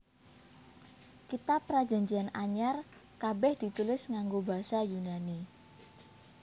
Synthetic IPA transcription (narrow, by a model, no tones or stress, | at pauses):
kit̪apːɾḁd͡ʒa̤ɲd͡ʒianaɲar | kabɛhd̪̥i̤t̪ulɪsŋaŋɡobaɦasajunani